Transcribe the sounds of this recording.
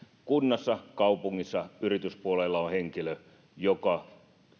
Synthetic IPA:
kunːɑsːɑkɑupuŋːisːɑyrit̪yspuolelːɑoheŋkilø | jokɑ

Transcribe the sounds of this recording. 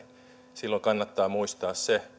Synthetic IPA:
n | silːoŋkɑnːɑt̪ːɑːmuist̪ɑːsse

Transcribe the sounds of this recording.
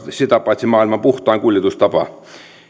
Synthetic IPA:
set̪ɑpːˑɑt̪ʲsʲimɑːilmɑpuht̪ˑɑːŋkulʲjet̪ust̪ɑpɑ

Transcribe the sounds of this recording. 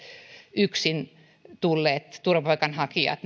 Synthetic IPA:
yksin | t̪ulːeːt̪t̪urʋɑpoikɑnhɑkiɑ̰t̪

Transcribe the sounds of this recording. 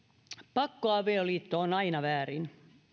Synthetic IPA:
pɑkːoɑʋeoliːt̪ːoonɑinɑʋæːɾin

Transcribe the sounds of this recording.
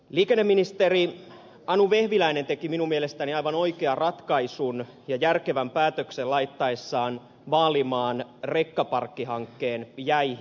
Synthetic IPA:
liːkenːemːinist̪eri | ɑnuʋe̞hʋilæinent̪e̞kiminumielest̪æniɑjʋɑno̞ikeɑrɑt̪kɑisun | jɑjærke̞ʋæmpæːt̪økselɑit̪ːɑesːɑːn | ʋɑːlimɑːnrekːɑpɑrkːiɦɑŋkːe̞ːnjæih

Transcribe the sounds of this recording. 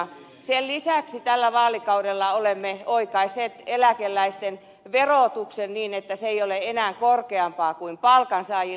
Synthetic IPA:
sellisæˑksit̪ælːæʋɑːlikɑudelːɑolemːeoikɑiseːt̪elækelːæist̪en | ʋeroˑt̪uksenniːnet̪ːæseeijoleenæːŋkorkeɑmpɑːkuimpɑlkɑnsɑːji

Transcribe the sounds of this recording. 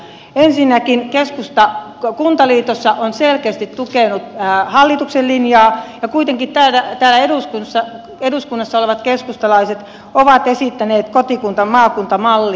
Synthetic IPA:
ensinːækinkeskust̪ɑ | kunt̪ɑliːt̪osːɑʔonselkeːst̪it̪t̪ukenut̪ːhɑlːit̪uksellinjɑːjɑkuit̪eŋkitt̪æːlæt̪æːlæeduskunsːɑ | eduskunːɑsːɑoleʋɑt̪keskust̪ɑlɑiset̪ | oʋɑt̪esit̪ːæneːt̪kot̪ikunt̪ɑmmɑːkunt̪ɑmɑlːi

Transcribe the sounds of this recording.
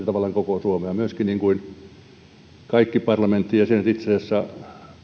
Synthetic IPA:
t̪ɑʋɑlːˑɑŋkokosuomeɑmyøskinniŋkuin | kɑikːipɑrlɑment̪ːijɑsienæt̪it̪sesesːæ

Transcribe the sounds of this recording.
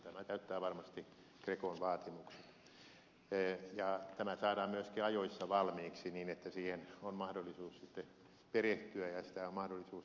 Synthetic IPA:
t̪æmæt̪æyt̪ːæːʋɑrmɑst̪i | krekonʋɑːt̪imukse̥t̪ | jɑt̪æmæsɑːdɑːmmyøskiɑjoisːɑʋɑlmiːksiniːnet̪ːæsiːhenonmɑhdolːˑisuːssit̪ːe | pereht̪yæjɑsi̥t̪æommɑhdolːˑisuːs

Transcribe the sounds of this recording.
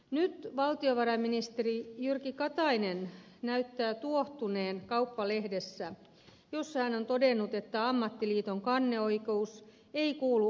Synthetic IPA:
nyt̪ʋɑlt̪ioʋɑɾɑminist̪erijyrkikɑt̪ɑinennæyt̪ːæːt̪uoht̪une̞ːnkɑupːɑle̞hdesːæ | josːɑhæno̞nt̪odenːut̪e̞t̪ːæɑmːɑt̪ːiliːt̪o̞ŋkɑnːe̞o̞ikeus | e̞ikuːlu

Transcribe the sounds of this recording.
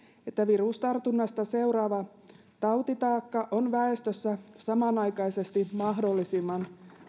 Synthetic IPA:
et̪ːæʋirust̪ɑrt̪unːɑst̪ɑse̞uɾɑːʋɑ | t̪ɑwt̪it̪ɑːkːɑʔonʋæest̪øsːæsɑmɑnɑjkɑjse̞st̪imɑɦdo̞lːisimːɑn

